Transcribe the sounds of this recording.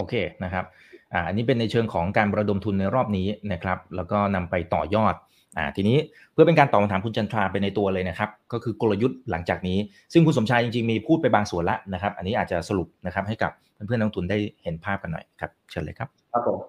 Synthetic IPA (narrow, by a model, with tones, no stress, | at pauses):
ʔoː˧kʰeː˧na˦˥kʰɾa˦˥p̚ | ʔaː˨˩ʔa˧nːiː˦˥p̬e˧nːa˧jt͡ɕʰɤː˧ŋkʰɔː˩˦ŋkaː˧n˧ɾa˧do˧mt̪ʰu˧nːa˧jɾɔː˥˩p̚niː˦˥na˦˥kʰɾa˦˥p̚lɛː˦˥wkɔː˥˩na˧mpa˧jt̪ɔ̰ː˨˩jɔː˥˩t̪̚ | ʔa̰ː˨˩t̪ʰiː˧niː˦˥ | pʰɯ˥˩ɐpe˧nkaː˧nt̪ɔː˨˩ma˧nt̪aː˩˦kʰu˧nt͡ɕʰa˧nt̪ʰɾaː˧pa˧jna˧jt̪u˧ɐlɤː˧jna˦˥kʰɾa˦˥p̚kɔː˥˩kʰɯː˧ko˧la˧ju˦˥t̪̚la˩˦ŋt͡ɕaː˨˩k̚niː˦˥ | sɯ˥˩ŋkʰu˧ns̬o˩˦mt͡ɕʰaː˧jt͡ɕi˧ŋt͡ɕi˧ŋmiː˧pʰuː˥˩t̪̚pa˧jbaː˧ŋsu˨˩˦nla˦˥ʔna˦˥kʰɾa˦˥p̚ʔa˧nːiː˦˥ʔːt̪̚t͡ɕa˨˩sa˧ɾu˨˩p̚na˦˥kʰɾa˦˥p̚ha˥˩jka̰˨˩p̚ʰɯː˥˩pʰɯ˥˩ənɔː˦˥ŋt̪ʰu˧ndaː˥˩jhe˩˦npʰaː˥˩p̚ka˧nːɔ̰˨˩jkʰɾa˦˥p̚ʰɯ˧nlɤː˧kʰa˦˥p̚a˦po˨˦